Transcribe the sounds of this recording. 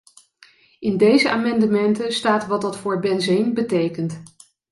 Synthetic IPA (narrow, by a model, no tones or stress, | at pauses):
ɪndejzəʔaːmɑndəmɛntənstaːtʋɑtdɑtfʊːɹbɛnzɪnbətejkənt